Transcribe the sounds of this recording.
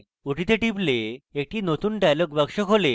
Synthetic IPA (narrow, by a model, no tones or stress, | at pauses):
uʈit̪eʈipleːk̚ʈʰiːnot̪uːnʈajləkʋəkʂəkʰole